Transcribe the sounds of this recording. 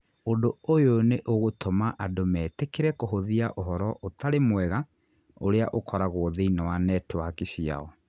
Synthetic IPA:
ondoojoneʔoɣotʰomaʔadomɛːtekeɾɛkoɦoðiaʔoɦɔɾɔʔotaɾemwɛɣa | oɾeaʔokʰɔɾaɣwɔðeinawanɛtwakisia̰ɔ

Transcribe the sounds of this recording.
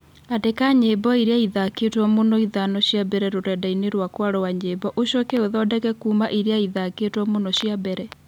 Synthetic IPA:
adekaɲebɔiɾeaiðaketwɔmonɔiðanɔɕjabɛɾɛɾoɾɛdaineɾwakwaɾɔwaɲebɔʔoɕɔkɛoðɔdɛkɛkuːmaʔiɾeaiðaketwɔmonɔɕjabɛɾɛ

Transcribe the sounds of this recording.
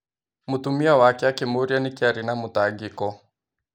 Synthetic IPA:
mutumiawakɛakɛmuɾianikiaɾinamutaɡikɔ

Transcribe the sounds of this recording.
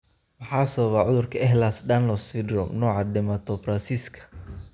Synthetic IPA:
mɑħaːsɐβɐβaʕʊðʊrkʰɐɛɦlasɖanlɔsfɪd̪ɾɔmnɔːʕɑd̪ɛmat̪ʰɔfɾansiskʰɐ̥

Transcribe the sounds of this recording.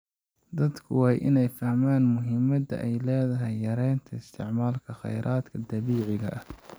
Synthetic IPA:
d̪ɐd̪kʰʊwɑːjʔɪ̰nɛjfɐhmaːnmʊɦɪmɐd̪ɐ̰ʔɛjlɛːðɐɦɐjːɐɾɛjnt̪ʰɐɪst̪ʰɪ̰ʕmaːlkʰɐχɑ̰jɾʔaːd̪kʰɐd̪ɐβiːʕɪɣɐ̰ʔɐh

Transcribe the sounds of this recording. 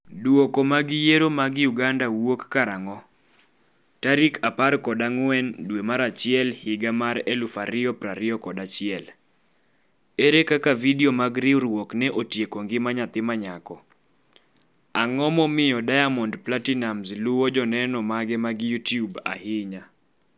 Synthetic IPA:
dwokɔmaɡɪjeɾomaɡjuɡandawokːaɾaŋɔ | taɾikʰaparkɔdaŋwɛndwemaɾat͡ʃɪɛlhɪɡamaɾelufaɾɪɔpɾaɾɪɔkɔdat͡ʃɪɛl | eɾekakavidiomaɡɾɪɾwoknɛʔotjekoŋɡɪmaɲat̪ɪmaɲakɔ | aŋɔmɔmɪjɔdajamɔndplatinamzluwɔd͡ʒɔnɛnɔmaɡɛmaɡjutjuba̰hɪɲa

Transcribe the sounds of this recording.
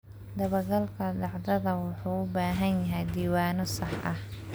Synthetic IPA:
d̪ɐβɐɡɐlkʰɐd̪ɑʕd̪ɐðɐwʊħuːʊbaːɦɐnjɐɦɛjd̪iːwaːnɔsɑħʔɐ̰h

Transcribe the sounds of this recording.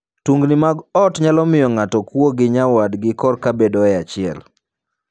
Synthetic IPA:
tuŋɡnɪmaɡɔtɲalɔmɪjɔŋatɔkwoɡɪɲawadɡɪkɔrkabedɔɛat͡ʃɪɛ̰l

